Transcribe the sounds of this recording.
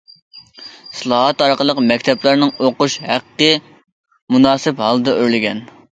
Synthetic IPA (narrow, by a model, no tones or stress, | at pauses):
sɨlˠɑːɦɛt̪ɑɾqəlˠəqmɛkʲt̪ʰɛplˠæɾnɨŋoquʃhæqqːə | munɑːsɨphɑlˠɨd̪ɛʔøɾlɪɡʲɛn